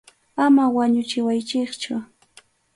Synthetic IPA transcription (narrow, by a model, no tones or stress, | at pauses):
amawaɲʊt͡ʃɪwajt͡ʃɪkt͡ʃʊ